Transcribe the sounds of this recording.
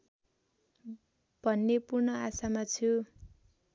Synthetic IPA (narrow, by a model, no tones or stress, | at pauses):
b̥ʱʌnːepurnʌasamat͡sʰu